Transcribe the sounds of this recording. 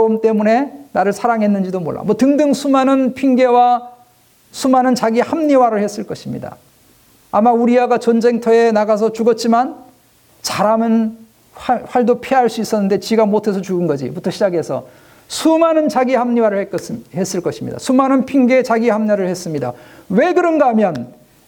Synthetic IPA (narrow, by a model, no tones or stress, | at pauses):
omt͈e̞mune̞naɾɯɭsʰaɾaŋɦe̞nːɯnd͡ʑidomo̰ɭːa̰mʌtɯŋdɯŋsʰumanɯnpʰiŋɡe̞wa | sʰumanɯnt͡ɕaɡihamɲiwaɾɯɭhe̞s͈ɯɭk͈ʌɕʰimɲḭda̰ | amauɾiaɡat͡ɕʌnd͡ʑe̞ŋtʰʌe̞naɡasʰʌt͡ɕuɡʌt̚t͡ɕ͈iman | t͡ɕaɾamɯn | ɸwaɭdopʰiɦaɭs͈uis͈ʌnːɯnde̞t͡ɕiɡamotʰe̞sʰʌt͡ɕuɡɯnɡʌd͡ʑḭputʰoɕʰid͡ʑaɡe̞sʰʌ̰ | sʰumanɯnt͡ɕaɡihamɲiwaɾɯɭhekhe̞s͈ɯɭk͈ʌɕʰimɲḭda̰sʰumanɯnpʰiŋɡe̞t͡ɕaɡihamɲaɾɯɭhe̞s͈ɯmɲida̰we̞ɡɯɾʌnɡaɦamjʌn